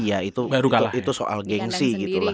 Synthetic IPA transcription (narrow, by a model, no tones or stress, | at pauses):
jait̪ubaɾukalait̪uso̰ʔa̰lɡɛŋsiɡit̪ula